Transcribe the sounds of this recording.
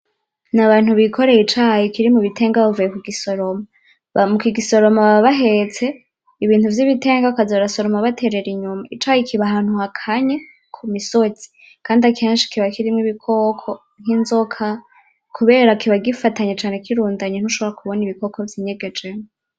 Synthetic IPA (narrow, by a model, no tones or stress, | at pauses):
naβaːnhuβikʰo̞ɾe̞jit͡ʃajikiɾimuβitʰe̞ːŋɡaβavujekiɡiso̞ɾo̞ma | mukiɡiso̞ɾo̞maβaβaɦe̞t͡se̞ | iβiːntuvjiβite̞ːŋɡakazoɾaso̞ɾo̞maβatʰe̞ɾe̞ɾiɲumait͡ʃajikiβaɦan̥huhakʰaɲe | kʰumisot͡si̥ | kaːndiakʰeːnʃi̥kiβakiɾimŋiβikʰoːkʰo | ŋ̥inzo̞kʰa | kʰuβe̞ːɾakiβaɡifataɲet͡ʃaːnekiɾuːndaɲen̥uʃo̞βoɾakuβo̞niβiko̞kʰovjiɲe̞ɡe̞d͡ʒemo